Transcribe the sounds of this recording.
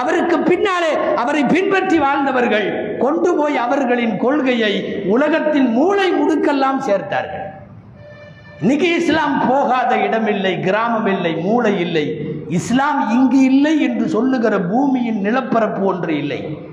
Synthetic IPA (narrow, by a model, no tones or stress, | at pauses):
ɐʋɐɾɯkːɯpːɪnːaːleːɐʋɐɾɐɪpɪnpɐʈriʋaːɻnd̪ɐʋɐɾɣɐɭ | kɔɳɖɯpoːjɐʋɐɾɣɐɭɪnkɔɭɣɐjɐɪʊlɐɣɐt̪ːɪlmuːlɐɪmʊɽɯkːɛlːaːmseːɾt̪a̰ːɾɣɐ̰ɭ | nɪɣɐɪslaːmpoːɣaːðɐɪɽɐmɪlːɐɪɡɪɾaːmɐmɪlːɐɪmuːlɐjɪlːɐɪɪslaːmɪŋɡɯɪlːɐɪɛndrɯsɔlːɯɣɪrɐbuːmɪjɪnnɪlɐpːɐɾɐpːɯɔndrɯɪlːɐ̰ɪ